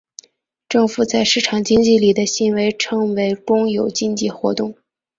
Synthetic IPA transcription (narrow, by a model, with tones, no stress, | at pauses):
ʈ͡ʂɤ˥˩ŋfu˨˩t͡sa˥˧ɪʂɻ̩˥˩ʈ͡ʂʰɑ˨˩ŋt͡ɕi˥ŋt͡ɕi˥˩li˨˩d̪ə˦ɕi˧˥nwe˧˥ɪʈ͡ʂʰɤ˥ŋwe˧˥ɪʈ͡ʂʊ˥ŋjo˨˩ʊt͡ɕi˥˧nt͡ɕi˥˩xwɔ̰˧˥t̪ʊ˥˩ŋ